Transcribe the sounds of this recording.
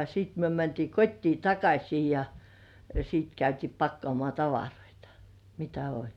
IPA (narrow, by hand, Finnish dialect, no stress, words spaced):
siːt myø mæntiː kotʲtiː tɑkɑsʲiː jɑ siːt kæytiː pɑkːŏɑˑmŏɑˑ tɑʋɑroitɑ̥ mitæ olʲ